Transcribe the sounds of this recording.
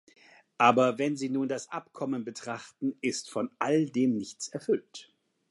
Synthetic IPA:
ʔaːbɐvɛnziːnuːndasʔapkʰɔmənbətʁ̥aχtn̩ɪstfɔnʔaldeːmnɪçt͡sɛɐfʏlt

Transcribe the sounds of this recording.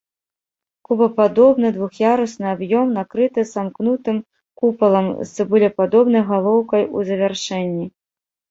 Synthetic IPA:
kubɐpad̪ɔbnɨd̪vuxjaɾɐsnɨabjɔmnakɾɨt̪ɨzamknut̪ɨm | kupɐlˠɐmsɨbulʲɐpad̪ɔbn̪ɐjɣalˠɔwkɐjṵzɐvʲarʂɛnʲːi

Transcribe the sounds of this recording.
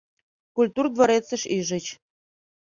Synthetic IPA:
kulʲt̪urd̪voɾet͡sə̆ʃiʒə̆t͡ɕ

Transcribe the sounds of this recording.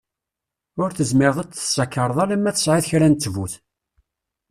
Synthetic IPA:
ʊɾθəzmɪɾðˤæt͡sθə̥sːɑkːəɾˤəðˤɑlæmːæθə̥sʕɪθçɾænt͡s̪ːvuθ

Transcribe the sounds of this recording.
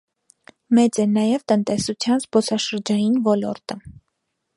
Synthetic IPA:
mɛt͡sɛnɑjɛvt̪ənt̪ɛsut͡sʰjɑnzpɔt͡sʰɑʃəɾd͡ʒɑjinvɔlɔɾt̪ə

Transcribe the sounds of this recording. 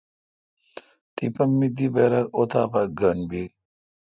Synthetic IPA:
t̪ipɐmːid̪ibeɾɐɾot̪ʰaːbɐɾɡənbi

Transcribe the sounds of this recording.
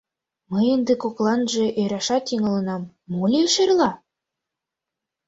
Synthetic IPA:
məjend̪ĕkoklɑnʒĕʔøjɾɑʃɑt̪iŋɤ̆lə̆nɑmːolʲeʃerlɑ

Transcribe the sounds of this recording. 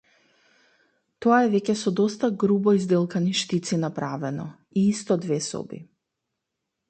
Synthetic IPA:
t̪ɔaɛvɛcʲɛsɔd̪ɔst̪aɡɾubɔizd̪ɛlˠkaniʃt̪it̪sinapɾavɛnɔ | iist̪ɔd̪vɛsɔ̰bḭ

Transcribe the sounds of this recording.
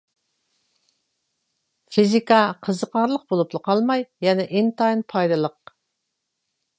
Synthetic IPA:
fizikɑqʰəzəqʰɑɾlˠəq̚bolˠuplˠəqʰɑlˠmɑjjɛnɛʔɪŋt̪ʰɑinpʰɑjd̪ɨlˠəq

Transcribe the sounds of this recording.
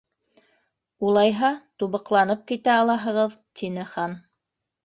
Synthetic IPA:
ulˠɑjɦɑt̪uβɤ̆qlˠɑnɤp̚kit̪æɑlˠɑɦɤ̆ʁɤðt̪ʰinɘχɑn

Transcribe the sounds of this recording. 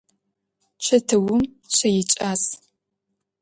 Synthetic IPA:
t͡ʃʷʰɐtʰɨwʊm | ɕʷʰɐjɪt͡ʃʼaːs

